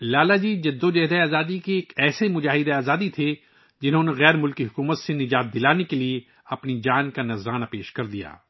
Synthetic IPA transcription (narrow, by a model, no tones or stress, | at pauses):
laːlad͡ʒiːd͡ʒɐd̪ːod͡ʒɛɦd̪eaːzaːd̪ikeːkɛːsemʊd͡ʒaːɦɪd̪eaːzaːd̪it̪ʰe | d͡ʒɪnɦõneɣɛːɾmʊlkiɦʊkuːmət̪senɪd͡ʒaːt̪̚d̪ɪlaːnekelie | ɐpnid͡ʒaːnkanɐzɾaːnapeːʃkɐɾd̪ija̰ː